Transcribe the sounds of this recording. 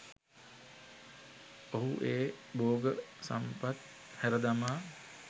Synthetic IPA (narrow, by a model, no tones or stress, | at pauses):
oɦuʔeːboːɡəsa̰mpat̪̚ | hæɾəd̪amaː